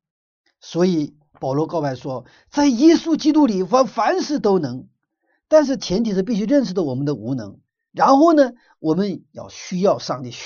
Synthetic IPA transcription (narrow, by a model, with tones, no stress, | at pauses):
swɔ˧˥i˨˩˦ | pɑ˨˩ʊlwɔ˧˥kɑ˥˧ʊpa˥˩ɪʂwɔ˥ | t͡sa˥˩ɪjɛ˥su˥t͡ɕi˥t̪u˥li˨˩fə˧˥nfa˧˥nʂɻ̩˥˩t̪o˥ʊnɤ˧˥ŋ | t̪a˥˧nʂ̬ɻ̩˥˩t͡ɕʰjɛ˧˥nt̪ʰi˨˩ʂ̩˥˧p̬i˥˩ɕy˥˧ɻə˥˧nʂɻ̩˥˩d̪ə˨˩wɔ˨˩mə˦nd̪ə˧u˧˥nɤ̰˧˥ŋ | ɻa˧˥nxo˥˩ʊnə˩ | wʔɔ˨˩mə˦njɑ̰˥˩ʊɕy˥jɑ˥˧ʊʂɑ˥˧ŋt̪i˥˩